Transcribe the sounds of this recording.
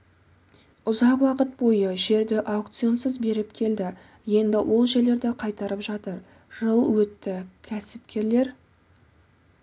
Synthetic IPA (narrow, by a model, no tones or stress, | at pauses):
ʊzɑqwɑqət̪̚bo̞jəʒe̞ɾd̪ɪʔakt̪sijo̞nsəzbe̞ɾɪpkʲʰe̞ld̪ɪ | je̞nd̪ɪwʔo̞lˠʒe̞ɾle̞ɾd̪ɪqʰɑjt̪ɑɾəpʒɑt̪əɾ | ʒ̥əlˠwɵt̪ːɪkʲʰæsɪp̚kʲʰe̞ɾle̞ɾ